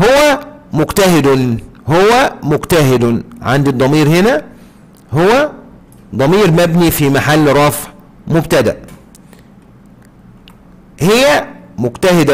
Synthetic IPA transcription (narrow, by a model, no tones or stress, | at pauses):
howæmʊɡt̪æhɪd̪ | howːæmʊɡt̪æɦɪd̪ʕa̰nd̪id̪ˤɑmiːɾhenæ | howːæ | d̪ˤɑmiːɾmæbnifimaħalːɾˤɑːfʕ | mʊbt̪æd̪æ̰ʔ | hɪjːæmʊɡt̪æhɪd̪æ